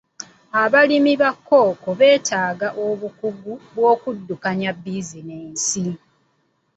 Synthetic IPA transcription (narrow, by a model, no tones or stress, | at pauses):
aβalimiβakːo̞ːkoβe̞ːtaːɡaʔoβukuɡuβwo̞ːkudːukaɲabːiːzineːnsi